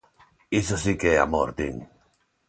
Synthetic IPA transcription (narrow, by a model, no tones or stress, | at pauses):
isasikea̰mo̰ɾt̪ḭŋ